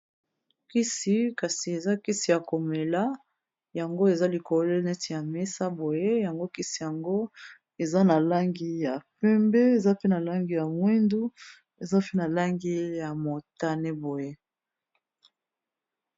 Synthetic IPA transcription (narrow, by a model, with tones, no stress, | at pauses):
ki˦si˨ka˨si˨e˨za˦ki˦si˨ja˨ko˨me˨la˦ | ja˨ŋɡo˦e˨za˦li˨ko˨˦le˦nɛ˦ti˨ja˨me˦sa˦bo˨je˦ja˨ŋɡo˦ki˦si˨ja˨ŋɡo˦ | e˨za˦na˨la˦ŋɡi˦ja˨pɛ˦mbe˦e˨za˦pe˦na˨la˦ŋɡi˨ja˨mwi˦ndu˦ | e˨za˦pe˦na˨la˦ŋɡi˦ja˨mo˨ta˦nɛ˦bo˨je˦